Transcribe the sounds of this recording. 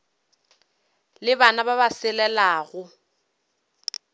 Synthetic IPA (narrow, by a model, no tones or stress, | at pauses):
lɪbanababasɪlɛlaːɣʊ